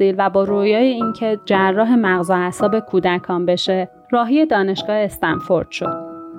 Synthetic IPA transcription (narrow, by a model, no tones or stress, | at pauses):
siːlvæbɒːɾoːjɒːjeiŋcʰe̞d͡ʒærːɒːɦe̞mæɣzoæsɒːbe̞kʰuːd̪ækʰɒːmbe̞ʃe̞ | rɒːɦije̞d̪ɒːne̞ʃɡ̥ɒːe̞st̪ænfo̞ɾd̪̥ʃo̞̰d̪̥